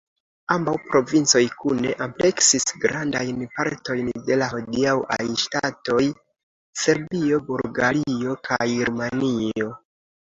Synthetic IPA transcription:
ambawpɾo̞vint͡so̞jkune̞ʔample̞ksisɡɾandajnpaɾto̞jnde̞laɦodiawa̰jʃtato̞j | se̞ɾbio̞bulɡaɾio̞kʰajɾumanio̞

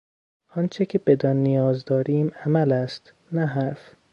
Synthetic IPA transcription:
ɒnt͡ʃʰecʰebed̪ɒnːijɒːzd̪ɒːɾiːmæmælæst̪ | næɦæɾf

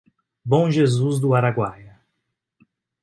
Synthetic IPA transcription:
bõʒezuzd̪ʊaɾaɡwajɐ

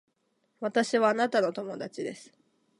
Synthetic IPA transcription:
βat̪aɕiβaːnat̪ano̞t̪o̞mo̞d̪at͡ɕid̪e̞sɨ̥

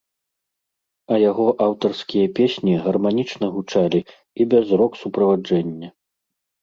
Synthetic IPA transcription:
ɐjaɣɔʔawt̪ɐrskʲijɐpʲesʲnʲiɣɐrmanʲit͡ʂnɐɣut͡ʂalʲi | ibʲɛzɾɔksupɾɐvad͡ʐɛnʲːɐ

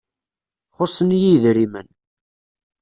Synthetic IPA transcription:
χʊsˤənjiðɾimən

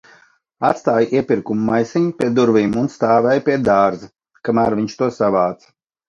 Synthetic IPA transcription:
at̪st̪aːjʔiɛpʲiɾkumuːajsiɲupʲiɛd̪uɾviːmunst̪aːvɛjpʲiɛd̪aːɾza | kamæːɾvʲiɲt͡ʃt̪uɔsavaːt̪s

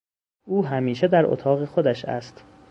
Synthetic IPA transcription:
ʔuːɦæmiːʃed̪æɾʔo̰t̪ʰɒːɣexod̪æʃæ̰st̪

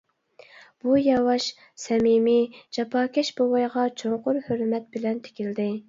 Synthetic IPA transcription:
b̥ujɑwɑʃ | sɛmimid͡ʒɑpʰɑːkʲɛʃbowɑjʁɑt͡ʃʰoɴqʊɾhøɾmɛt̪̚bɪlɛnt̪ʰe̥kʲild̪ɪ

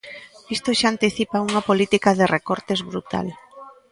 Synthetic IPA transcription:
ist̪oʃaːnt̪iθipauŋɐpolit̪ikaðɪrekɔɾt̪ezβɾut̪a̰l

